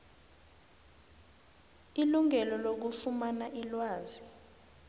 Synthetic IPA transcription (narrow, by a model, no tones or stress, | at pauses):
iluŋɛlɔlok̬ufumanaʔilwaːzi